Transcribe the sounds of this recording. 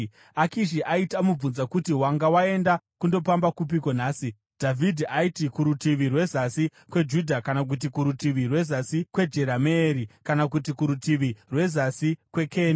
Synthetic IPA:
akiʃiʔaitamub͡vunzakutiwaŋɡawae̞ndakundo̞pambakup̬ikonaːsi | d̥ʱavʱidʱiʔaitikuɾutiʋirwe̞zasi | kwe̞d͡ʒudʱakanak̬ut̬ikuɾutiʋirwe̞zasikwe̞d͡ʒe̞ɾameːɾikanakut̬ikuɾutiʋirwe̞zasikwe̞kʰe̞ːna

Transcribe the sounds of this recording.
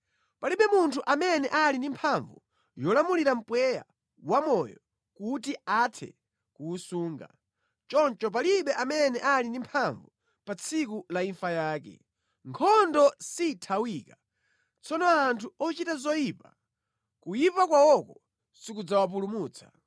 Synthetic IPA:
paliɓɛmuntʰuʔamɛnɛʔalindimpʰaɱvu | jɔlamuliɾam̩pwɛja̰ | wamɔjɔ | kutiatʰɛ̰ | kuːsuːŋɡa̰ | t͡ʃɔnt͡ʃɔp̬aliɓɛʔamɛnɛʔalindimpʰaɱvu | pat͡sʰik̬ulaiɱfajaːkɛ̰ | ŋkʰɔndɔsitʰawika | t͡sʰɔnɔantʰuɔt͡ʃitazɔjiːpa | kujipakwawɔkɔ | sikud͡zawap̬ulumuːt͡sʰḁ

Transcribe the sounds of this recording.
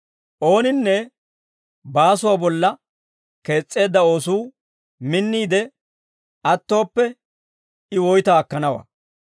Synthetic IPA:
ʔo̞ːnɪnːɛ | baːsʊwabɔlːɐ | ke̞ːt͡sʼːe̞ːd̪ːɐo̞ːsuː | mɪnːiːd̪ɛ | ɐt̪ːo̞ːpːɛ | ɪwɔjt̪aːkːɐnɐwa̰ː

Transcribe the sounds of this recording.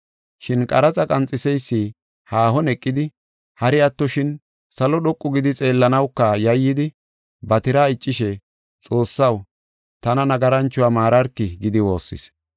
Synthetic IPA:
ʃɪnkʼɐɾɐt͡sʼɐkʼɐnt͡sʼːɪsɛjsːi | haːhɔnɛkʼːɪd̪ɪ | hɐɾɪɐt̪ːɔʃɪn | sɐlɔɗɔkʼːʊɡɪd̪ɪt͡sʼe̞ːlːɐnɐwkːɐjɐjːɪd̪ɪ | bɐt̪ɪɾaːɪt͡ʃʼːɪʃɛ | t͡sʼo̞ːsːɐw | t̪ɐnɐnɐɡɐɾɐnt͡ʃːʊwaːmaːɾɐɾkːɪɡɪd̪ɪwo̞ːsːɪ̰s

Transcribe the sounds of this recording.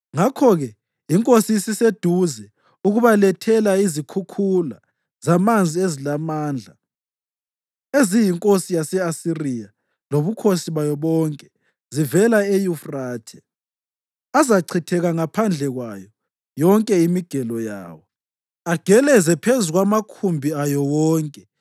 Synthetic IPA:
ŋakʰɔɣɛ | iŋkʼosisised̥ʱuzɛ | uɣuβalɛtʰɛlaizikʰukʰula̰ | zamand͡zʱiezilamaːnd͡ɮʱa | ezijiŋkʼosijasɛasirija | loβukʰosiβajɔβɔŋkʼɛ | zivɛlaejufraːtʰɛ̥ | azaǀʰitʰɛɣaŋapʰand͡ɮʱɛɣwajɔ | jɔŋkʼɛimiɡ̥ʱɛlɔja̰ːwɔ | aɡ̥ʱɛlɛzɛpʰezuɣwamakʰumbʱiajɔwɔːŋkʼɛ

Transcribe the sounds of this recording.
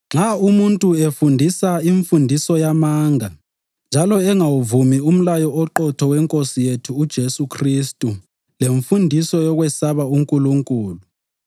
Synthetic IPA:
ŋ͡ǁaumuntʼuefundʱisaiɱfundʱisɔjamaːŋa | nd͡ʒʱalɔɛŋawuvumium̩lajɔɔǃɔtʰɔwɛŋkʼosijetʰuːd̥ʒ̥ʱesukʰristʼu | leɱfundʱisɔjɔɣwɛsaβauŋkʼuluŋkʼuːlu

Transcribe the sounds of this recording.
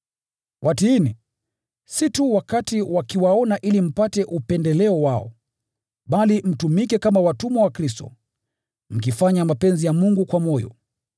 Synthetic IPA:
wʔatiini | situwakatiwakiwaɔnaʔilim̩patɛʔupɛndɛlɛɔwaɔ̰ | ɓalim̩tumikɛkamawatumɔwakɾis̬tɔ̰ | m̩kifaɲamapɛnzijamuŋɡukwamɔjɔ̰

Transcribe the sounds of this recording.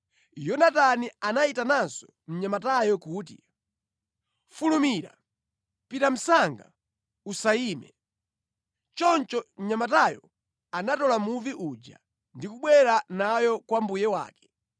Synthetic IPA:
jɔnatanianaitanansɔ̥ | m̩ɲamatajɔkuːt̬ḭ | fulumiɾa̰ | pitam̩saŋɡa̰ | usaiːmɛ̰ | t͡ʃɔnt͡ʃɔɲamatajɔ | anatɔlamuviʔud͡ʒa̰ | ndikuɓwɛɾanajɔkwambujɛwa̰ːkɛ̥

